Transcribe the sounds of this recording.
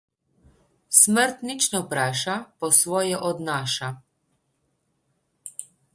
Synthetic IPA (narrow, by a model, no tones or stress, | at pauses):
sməɾt̪nit͡ʃnɔpɾaːʃapɔsʋɔːjɛʔɔd̪naːʃa